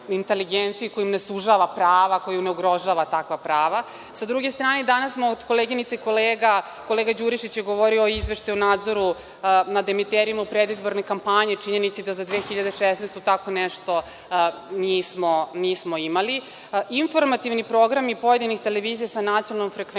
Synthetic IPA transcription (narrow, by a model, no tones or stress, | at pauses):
int̪eliɡent̪sijiko̞jimnesuʒaʋapɾaːʋako̞juneuɡɾo̞ʒaːʋat̪akʋapɾaːʋa | sad̪ɾuɡest̪ɾaːned̪anasmaod̪ko̞leɡinit̪eikoleːɡa | ko̞leɡad͡ʑuɾiʃit͡ɕjeɡo̞ʋo̞ɾioːizʋeʃt̪iunaːd̪zo̞ɾu | nad̪emit̪eɾimaupɾed̪izbo̞ɾne̞kampaɲet͡ʃiɲe̞nit̪sid̪azad̪ʋeːxiʎad̪eʃesneːst̪ut̪akoneʃt̪o̞ | niːsmoniːsmo̞imali | iɱfo̞ɾmat̪iʋnipɾo̞ɡɾamipo̞je̞d̪inixt̪eleʋiːzijasanat̪sijonalomfɾekʋe